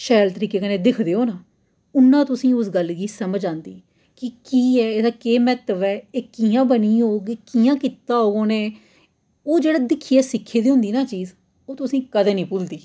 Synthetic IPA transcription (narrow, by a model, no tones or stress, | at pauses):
ʃɛːlt̪əɾiːkeːkəneːd̪ɪkʰd̪eːoːnaː | ʊnːãːt̪ʊsĩːʊsɡəlɡiːsəməd͡ʒãːnd̪iː | kɪkiːɛːeːd̪aːkeːmɛːt̪əʋɛːeːkiːãːbəniːoːɡekijãːkɪt̪ːaːɦoːɡõːneː | oːd͡ʒeːɽaːd̪ɪkʰːiːɛːsɪkʰːeːd̪iːɦʊ̃nd̪iːnaːt͡ʃiːz | oːt̪ʊsĩːkəd̪eːnĩːpʊld̪iː